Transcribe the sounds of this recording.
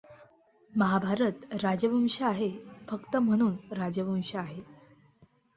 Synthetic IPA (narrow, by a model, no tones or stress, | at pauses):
məɦabʱaɾət̪ɾad͡ʑəʋəmɕəaɦefəkt̪əm̤əɽ̃uːnɾad͡zəʋəmɕəaɦe